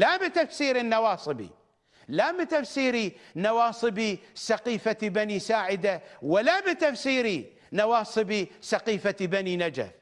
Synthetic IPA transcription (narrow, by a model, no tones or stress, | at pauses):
labɪt̪afsiːɾɪnːawɑːsˤɨbḭ | labɪt̪afsiːɾinawɑːsˤɨbisɑqiːfat̪ibanisaːʕɪd̪awalabɪt̪afsiːɾi | nawɑːsˤɨbisɑqiːfat̪ibaninad͡ʒa̰f